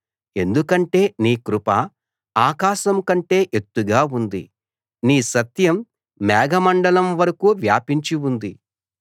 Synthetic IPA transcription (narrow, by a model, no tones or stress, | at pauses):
e̞nd̪ukɐɳʈe̞ːniːkɾupɐ | aːkaːʃɐmkɐɳʈe̞ːʔe̞t̪ːuɡaːund̪ḭ | niːsɐt̪jɐmː | ɛːɡɐmɐɳɖɐlɐmʋɐɾɐkuʋjaːpiɲt͡ʃiund̪i